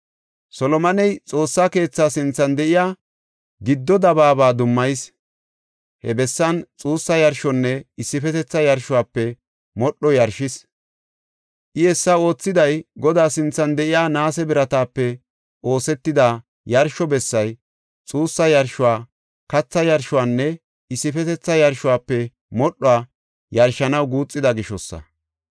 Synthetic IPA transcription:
sɔlɔmɐnɛjt͡sʼo̞ːsːake̞ːt͡sːaːsɪnt͡sːɐnd̪ɛʔɪjaː | ɡɪd̪ːɔd̪ɐbaːbaːd̪ʊmːɐjs | hɛ̰bɛsːɐnt͡sʼuːsːɐjɐɾʃɔnːɛɪsːɪfɛt̪ɛt͡sːɐjɐɾʃʊwaːpːɛ | mɔɗːɔjɐɾʃɪs | ʔɪɛsːɐo̞ːt͡sːɪd̪ɐjɡɔd̪aːsɪnt͡sːɐnd̪ɛʔɪjaːnaːsɛbɪɾɐt̪aːpːɛ | o̞ːsɛt̪ːɪd̪a | jɐɾʃɔbɛsːɐj | t͡sʼuːsːɐjɐɾʃʊwaː | kɐt͡sːɐjɐɾʃʊwaːnːɛ | ɪsːɪfɛt̪ɛt͡sːɐjɐɾʃʊwaːpːɛ | mɔɗːɔaː | jɐɾʃɐnɐwɡuːt͡sʼːɪd̪ɐɡɪʃɔsːɐ̰

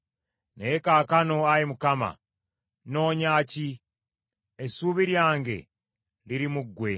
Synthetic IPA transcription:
nejekaːkano̞ajimukama̰ | no̞ːɲaːci | esuβiɾjaːŋɡe̞̰ | liɾimuɡwe̞

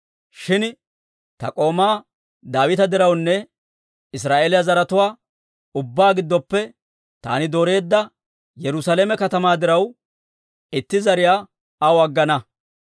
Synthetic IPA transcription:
ʃɪn | t̪ɐ̰kʼo̞ːmaː | d̪aːwɪt̪ɐd̪ɪɾɐwnːɛ | ɪs̬ɾaːʔeːlɪjazɐɾɐt̪ʊwaː | ʊbːaːɡɪd̪ːɔpːɛ | t̪a̰ːnɪd̪oːɾe̞ːd̪ːɐ | jɛɾʊsaleːmɛkɐt̪ɐmaːd̪ɪɾɐw | ɪt̪ːɪzɐɾɪjaː | ɐwɐɡːɐnɐ

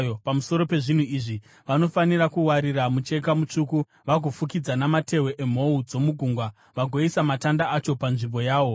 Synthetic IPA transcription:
jopamuso̞ɾo̞pe̞ʐin̤uiʐi | ʋano̞fanirakuwaɾiramut͡ʃe̞kamut͡ʂuku | ʋaɡʱofukid͡zanamate̞we̞ʔem̤o̞ud͡zo̞muɡʱuŋɡwa | ʋaɡʱo̞isamatandaat͡ʃo̞panʐimbo̞jaːʋo̞

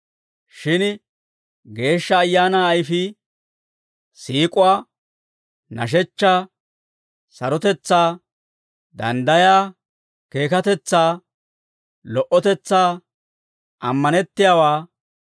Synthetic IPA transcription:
ʃɪn | ɡe̞ːʃːɐːjːaːnaːjfi | siːkʼʊwaː | nɐ̰ʃ̬ɛt͡ʃːaː | sɐɾɔt̪ɛt͡sːaː | d̪ɐ̰nd̪ɐjaː | ke̞ːkɐt̪ɛt͡sːaː | lɔʔɔt̪ɛt͡sːaː | ʔɐmːɐnɛt̪ːɪjaːwaː

